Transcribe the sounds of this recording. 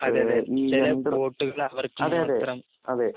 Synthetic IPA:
ɐðeɐðet͡ʃilɐpoːʈːɯɣɐɭɐʋɐrkɯɐmðeɐðet̪ːrɐm | ɐðe

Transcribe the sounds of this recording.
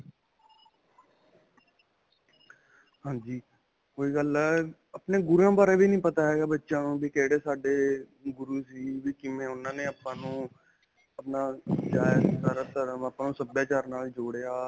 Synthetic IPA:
ɦãːd͡ʒiː | koːiːɡəlɛː | əpneːɡʊɾãːbaːɾeːbʱiːnəĩːpət̪aːɦɛːɡaːbətːʃãːnũːbʱiːkɛːɽeːsaːɖeː | ɡʊɾuːsiːbiːkɪmẽːʊnãːneːəpːãːnũː | əpnaːd͡ʒaːsaɾat̪əɾəməpːãːnũːsəbjaːt͡ʃaːɾnaːld͡ʒoːɽejaː

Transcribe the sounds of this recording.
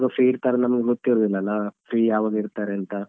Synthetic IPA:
ɡɐfʰɾiːɾt̪aːɾenɐmɐɡeɡot̪ːiɾuːd̪ilːɐlːɐfʰɾiːjaːʋaːɡiɾt̪aːɾeɐnt̪ɐ

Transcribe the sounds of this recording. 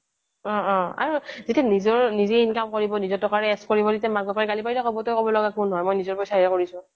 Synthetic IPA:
ɔ̃ɔ̃a̰ɹuzitɛnizɔɹnizɛinkamkoɹibɔnizɔtʰɔkaɹɛɛskoɹibɔditɛmaɡɔpaɹɛkalipajtakɔbɔtɔjkɔbɔlɔɡakunɦɔjmojnizɔɹpɔjsaiɹɛkoɹisʊ̃

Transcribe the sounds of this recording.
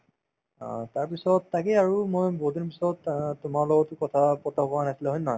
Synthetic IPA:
taɹpisɔtːakɛaɹumojbodinp̬isɔttʊmaɹlɔɡɔtʊkɔtʰapɔtʰabɔanasilɛɦɔjnɔɦɔj

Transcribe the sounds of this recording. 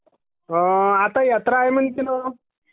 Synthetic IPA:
əat̪ajat̪ɾaːjmənt̪ilo

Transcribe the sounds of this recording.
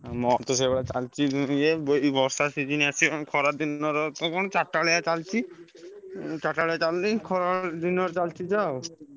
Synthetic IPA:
mɔt̪ɔs̬eɡɔɽat͡ʃalt͡ʃʰid̪ijeboibʱɔɾsasid͡ʒiniasʰiɔkʰɔɾad̪inɔɾɔt̪ɔkɔnot͡ʃaʈːaɭejat͡ʃalt͡ʃʰi | t͡ʃaʈːaɭejat͡ʃalnikʰɔɾad̪inɔɾt͡ʃalt͡ʃʰid͡ʒaw

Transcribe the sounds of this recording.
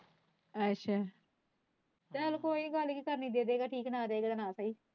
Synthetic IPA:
ətːʃʰaː | t̪ɛlkoːiɡəlkiːkəɾnĩːd̪eːd̪eːɡaːʈʰiːknaːd̪eːɡad̪anaːsaːiː

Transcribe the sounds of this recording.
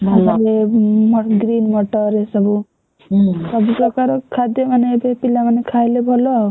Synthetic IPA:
asaɾemɔɡɾinmɔʈɔɾesɔbu | sɔbupɾɔkaɾɔkʰad̪jɔmanebepilamanekʰajlebʱɔlɔ

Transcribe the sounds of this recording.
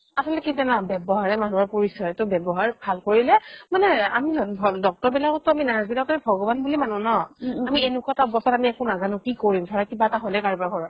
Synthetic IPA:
asɔlɛkitanabɛbɔɦaɹɛmanuaɹpoɹisɔɹɛtʊbɛbɔɦaɹbʱalkoɹilɛmanɛamidɔk̚tɔɹbilakɔtːʊaminazbilakɔtaɛbʱɔɡɔbanbulimanunɔamienʊkataɔbɔsatamiɛkʊnaɡanukikoɹimdʰʱɔɹakibaɛtaɦojlɛkaɹbakɔɹɔ

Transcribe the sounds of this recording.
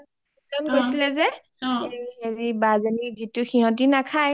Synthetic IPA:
izɔnɡojsilɛzɛ | eieɹibazenizituxiɦɔ̃t̬inakʰaj

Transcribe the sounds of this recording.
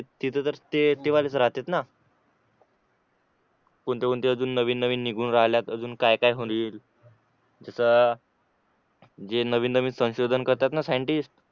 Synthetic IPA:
et̪it̪ʰət̪əɾt̪et̪eʋalet͡səɾaɦt̪et̪na | koɳt̪ekont̪eəd͡zuːnːəʋiːnːəʋiːnːiɡʱuːnɾaɦljat̪əd͡zuːnkajkajɦoiːl | d͡zəsəː | d͡zenəʋiːnd̪əʋiːsə̃w̃ɕod̪ʱənkəɾt̪at̪nasajəɳʈisʈ

